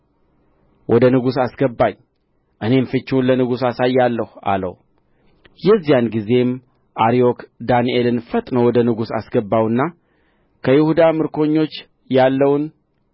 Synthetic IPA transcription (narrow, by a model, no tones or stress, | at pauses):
wʔɔd̪ənɨɡusasɡəbːaɲ | ʔɨne̞mfɨt͡ʃːunlənɨɡusasajːalːəhua̰lə̰w | jɛzːijanɡize̞m | ʔaɾio̞kd̪aniʔelɨnfət̪ʼnəwɔd̪ənɨɡusa̰sɡəbːawɨnːa | kʰəjɪhud̪amɨɾkʰo̞ɲːo̞t͡ʃː | jalːəwun